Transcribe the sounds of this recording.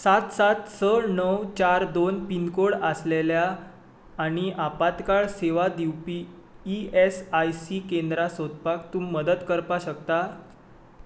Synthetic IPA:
sat̪sat̪səɾnəwt͡ɕaɾd̪onpinkoɽəsleljaː | ɽ̃iʔapat̪kaɭseʋad̪iwpiː | esajsikend̪ɾasod̪ʱpakt̪umːəd̪ət̪kəɾpaɕəkt̪a

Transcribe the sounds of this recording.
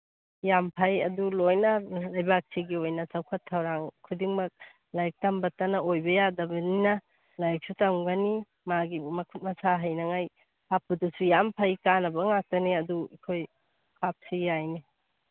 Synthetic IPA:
jampʰajɐdulojnɐlajbak̚siɡiojnɐsawkʰɐtʰːawɾaŋkʰudiŋmɐk̚ | lajk̚tambɐtanɐojbɐjadɐbɐninɐ | lajk̚sutaŋɡani | maɡimɐkʰut̚mɐsaɦajnɐŋaj | hap̚udusujampʰajkanɐbɐŋak̚tɐniɐduikʰoj | kʰap̚sijajni

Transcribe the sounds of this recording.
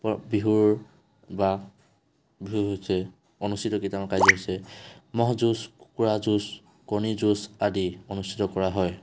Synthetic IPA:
pɔbiɦuɹ | ba | biɦuɦojsɛ | onustʰitɔkitamkajzɔɦojsɛmɔɦɔzuskuɹazus | kɔnizusadionustʰitɔkɔɹaɦɔj

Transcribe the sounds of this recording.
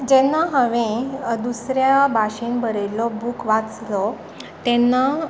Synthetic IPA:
d͡ʑɛnːaɦaʋẽd̪usɾjabʱaɕinbəɾelɔbukʋat͡slɔ | t̪ɛnːa

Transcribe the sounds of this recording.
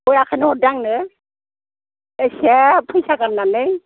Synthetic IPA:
ɔjakʰanɯhɔdaŋnɯ | esepʰɯjsaɡanːanɯj

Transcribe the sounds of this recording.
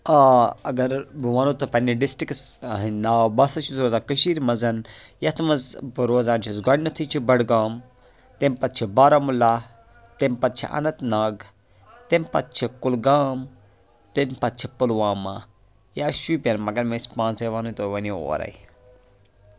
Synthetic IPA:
aːɐɡɐɾbuʋaːnot̪opɐnːiɖisʈɾiksɦinaːwbɐsɐʃusɾoːzaːkɐʃiːɾmɐzɐn | jɐt̪ʰmɐzbɾoːzãːnt͡ʃʰisɡɐɖnɐt̪ʰit͡ʃʰibɐɽɡaːm | t̪empɐt̪̚t͡ʃʰibaːɾamulːa | t̪empɐt̪̚t͡ʃʰḭʔɐ̰nɐt̪naːɡ | t̪empɐ̰t̪̚t͡ʃʰikulɡaːm | t̪enpɐt̪̚t͡ʃʰipulʋaːma̰ | jaʃuipʲenmɐɡɐɾmespãːnt͡seʋaːnut̪oʋɐnio̰ːɾɐ̰i

